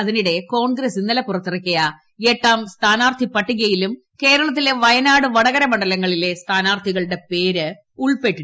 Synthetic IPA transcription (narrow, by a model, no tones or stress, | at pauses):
ɐðiniɽe̞ko̞ːɳɡɾɐsinːɐlɐpːurɐt̪ːirɐkʲːɐjɐ | eʈːaːmst̪ʰaːnaːrt̪ʰipɐʈːiɣɐjilum | ke̞ːɾɐɭɐt̪̬ːile̞ʋɐjɐnaːɽɨʋɐɽɐɣɐɾɐmɐɳɖɐlɐŋːɐɭile̞st̪ʰaːnaːrt̪ʰiɣɐɭɨɽe̞pe̞ːɾɨ | uɭpe̞ʈːi